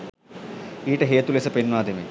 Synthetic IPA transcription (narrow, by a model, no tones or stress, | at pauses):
iːʈɐɦeːt̪ːulesɐpenʋaːd̪ʱɐme